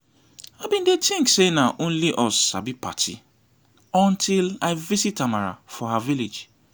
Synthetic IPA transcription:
abĩndetʰĩŋksenaʔõnliʔɔsa̰bipʰa̰tʰḭ | ɔ̃ntʰilaɪvisitamaɹa̰fɔhaviled͡ʒ

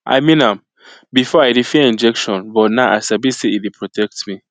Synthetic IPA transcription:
ʔa̰ɪmĩnãm | bifɔaɪdifiɛĩnd͡ʒɛkʃɔ̃nbɔtnaʊʔasabiseidipʰɹɔtʰɛk̚tmi

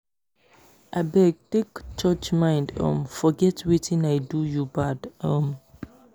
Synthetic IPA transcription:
ʔabɛɡ̚tekt͡ʃɔt͡ʃmãɪ̃ndɔ̰̃mfɔɡɛtwitʰĩnajdujubadɔm

